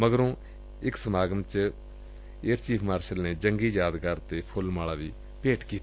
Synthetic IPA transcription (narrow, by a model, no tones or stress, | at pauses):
məɡəɾõː | ɪksəmaːɡəmt͡ʃ | eːɾt͡ʃiːpʰmaːɾʃəlneːd͡ʒəŋɡiːd͡ʒaːd̪ɡəɾt̪eːpʰʊlmaːɭaːʋiː | peːʈkiːt̪a